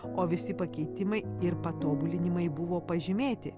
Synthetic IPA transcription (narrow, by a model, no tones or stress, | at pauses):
oːʋʲɪsʲɪpɐkʲɛɪt̪ʲɪmɐɪɪɾpɐt̪oːbʊlʲɪnʲɪmɐɪbʊʋoːpɐʒʲɪmʲeːt̪ʲɪ